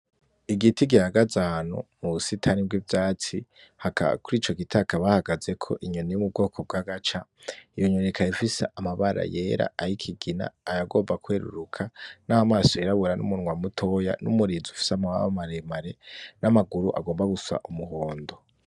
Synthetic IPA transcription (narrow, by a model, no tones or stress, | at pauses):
iɡitiɡihaɡazanṵmuusitʰanibɡivjaːt͡si | haka̰kuɾiːt͡ʃo̞ɡitʰakaβahaɡaze̞kʰo̞̰ʔiɲonejumub̚ɡo̞ːkʰob̚ɡaɡat͡ʃaijoɲonekʰaifisḛʔamaβaɾa̰jeːɾa̰aɾikʰiɡina̰ːjaɡo̞ːmbakweːɾṵɾukʰanahamaːsoeɾaβuɾanṵmunŋwamutʰo̞ja̰numuɾiːzufi̥samawawamaɾemaɾe̞namaɡuɾuʔa̰ɡoːmbaɡusa̰ʔumuho̞ːndo̞